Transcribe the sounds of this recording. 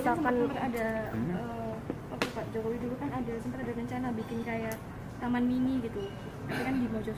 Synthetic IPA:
sasəmasəmpət̪adaəpapupaʔd͡ʒokowiduɡakanadasəmpət̪̚adaɾəɲt͡ʃanabikɪnkajaʔ | t̪amaniniɡit̪u | apakandibat͡ʃɔ

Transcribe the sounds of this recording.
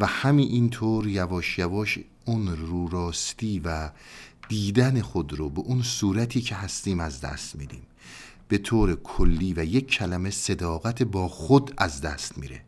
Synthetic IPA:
væhæmiʔint̪ʰoːɾjævɒːʃjævɒːʃ | unɾuːɾɒːst̪iːvæd̪̥iːd̪ænexod̪ɾobeʔunsuːɾæt̪ʰiːcʰe̞ɦæst̪iːmæzd̪æ̰st̪miːd̪ḭːm | b̥e̞t̪ʰoːɾekʰolːiːvæje̞kʰːælæme̞se̞d̪ɒːɣæt̪ʰebɒːxod̪æzd̪æ̰st̪mḭːɾe̞̰

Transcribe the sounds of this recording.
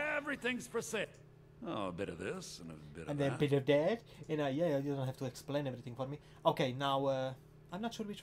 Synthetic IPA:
ɛvɹiθɪ̃ŋz̥pʰɹəsɛ | oə̰bɪɾə̰vðɪsɨ̃nə̰bɪ̰ɾɨ̃nðəəbɪɾʌvdɛd̥ | ɨ̃naɪjæajdõʊ̃nthæv̥tuɛksplẽɪ̃nɛvɹiθɪ̃ŋfɔɹmi | oʊkʰeɪnaʊʌ | ãɪ̃mnətʃuɹwɪt͡ʃ

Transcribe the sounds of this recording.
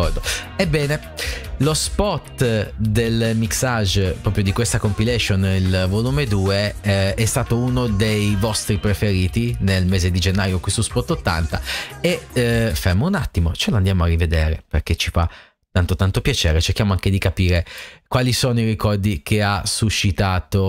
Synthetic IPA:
kɔrd̪oebːɛːne | lospɔt̪ːd̪elmiksad͡ʒpɾɔpɾjod̪ikwest̪akompilɛʃonilvoluːmed̪uːeɛst̪aːt̪ounod̪ejvɔst̪ɾipɾefeɾiːt̪inelmeːzed̪id͡ʒenːaːjokwest̪ospɔt̪ːot̪ːa̰nt̪aefermounat̪ːimot͡ʃeland̪jaːmoarːived̪eːɾḛperk̟et͡ʃifa | t̪ːant̪ot̪ant̪opjat͡ʃeːɾet͡ʃerk̟jaːmoaŋk̟ed̪ikapiːɾekwaːlisoːnoiɾikɔrd̪ikʰeasuʃːit̪aːt̪o

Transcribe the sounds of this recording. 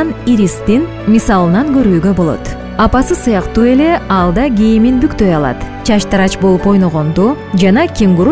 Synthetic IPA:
niɾist̪in | mʲisɑlˠɯnɑŋɡø̞ɾyːɡø̞bo̞lˠo̞̰t̪ | ɑpɑsɯsɯjɑqt̪uːe̞le̞ɑlˠd̪ɑɡʲijiminbykt̪ø̞jɑlˠɑ̰t̪t͡ʃʰɑʃt̪ɑɾɑt͡ʃbo̞lˠupo̞jno̞ʁo̞nd̪u | d͡ʒɑnɑkʲiŋɡuɾ

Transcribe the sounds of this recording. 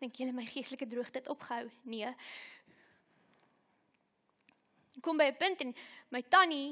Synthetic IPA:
dəŋkjələməjχiəstələkədruəχtətɔpχəɦœwniə | kɔmbəjəpəntɛnməjtɐni

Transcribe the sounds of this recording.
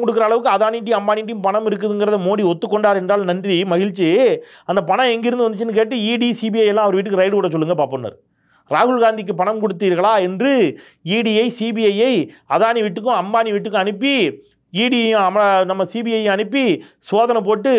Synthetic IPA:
kɔɽɯkːɯɾɐːɭɐʋɯkːɯɐðaːniːʈ̬ːij̃ɐmbaːniːʈ̬ːijʊ̃mpɐɳɐmɪɾɯk̬ːɐðɯŋɡɪɾɐðɐmoːɽiɔt̪ːɯkːɔɳɖaːɾɛndraːlnɐndrimɐɣɪɻt͡ʃːi | ɐnd̪ɐpɐɳɐ̃ɛŋɡɪɾɯnd̪ɯʋɐnd̪ɯt͡ʃːɯnːɯk̬eːʈːɯiːɽisiːbijɐjɛlːãːɐʋɐɾʋɪʈːɯkːɯɾɐɪɽɯʋɔɽːɐt͡ʃɔlːɯŋɡɐpaːponːɐ̰ɾ | ɾaːɣɯɭɣaːnd̪ɪkːɯpɐɳɐmkɔɽɯt̪ːiːɾɣɐɭaːɛndrɯ | iːɽiɐɪsibiɐjɐɪɐðaːniʋɪʈːɯk̬ːʊ̃ɐmbaːniʋɪʈːɯkːɯ̃ɐnɯpːi | iːɽĩɐmɐɐnɐmːɐsiːbiɐjɐɐnɯpːisoːðɐnɛp̬oːʈːɯ

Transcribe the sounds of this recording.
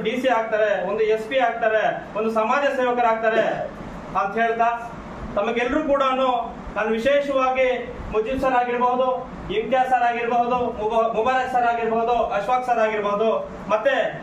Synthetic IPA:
biːsiaːɡ̚t̪aːɾeond̪uespiaːɡ̚t̪aːɾeond̪usɐmaːd͡ʒɐseːʋɐkɐɾaːɡ̚t̪aːɾe | aːt̪ɦeːɭt̪ʰa | t̪ɐmɐɡɛlːɐɾuːkuːɽanuː | t̪aːnːuʋiʃeːʃɐʋaːɡi | mud͡ʒisɐɾaːɡiɾbɐɦud̪u | int̪jaːsaːɾaːɡiɾbɐɦud̪umubɐjlaːsaːɾaːɡiɾbɐɦud̪uʔɐʃʋaːksaːɾaːɡiɾbɐɦud̪u | mɐt̪ːe

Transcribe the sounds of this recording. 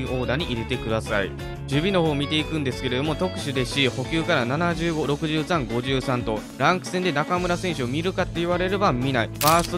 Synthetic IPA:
io̞ːd̪aɲ̟iʔiɾe̞t̪e̞kɯ̟d̪asaḭ | d͡ʑɯbʲino̞ho̞ːmʲit̪e̞ikɯ̟̃nd̪e̞sɨ̥ke̞ɾe̞d̪o̞mo̞t̪o̞kɯ̟̥ɕɨd̪e̞ɕiho̞kʲɨːkaɾananaʑɨːɡo̞ɾo̞kɯ̟ʑɨːsãŋɡo̞ʑɨːsãnt̪o̞ɾãŋkɯ̟̥sẽnd̪e̞nakamɯ̟ɾasẽ̞ɰ̃ɕɨomʲiɾɯ̟kat̪ːe̞iβ̞aɾe̞ɾɯbamːʲinaibaːsɨ

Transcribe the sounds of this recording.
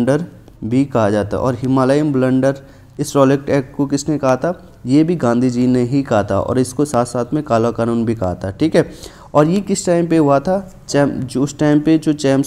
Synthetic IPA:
ɳɖəɾ | bʱikɐɦad͡ʒaːt̪a̰ʔɔ̰ːɾɦɪmaːlaɪmblə̃ɳɖəɾ | ɪsɾɔːlek̚ʈɛːkkokɪsnekɐɦat̪ʰa | jebʱiɡãːnd̪ʱid͡ʒiːneɦikɐɦat̪ʰa̰ʔɔ̰ːɾɪskosaːt̪ʰsaːt̪ʰmẽkaːlakaːnuːnbʱikɐɦat̪ʰaʈʰiːkɦɛː | ɔːɾjekɪsʈaːɪmpeɦʊat̪ʰa | t͡ʃɛːmd͡ʒʊsʈaːɪmped͡ʒoːt͡ʃɛːm

